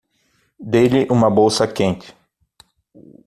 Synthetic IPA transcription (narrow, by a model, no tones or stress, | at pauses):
d̪ejlɪʔũmɐbowsɐkẽnt͡ʃɪ̥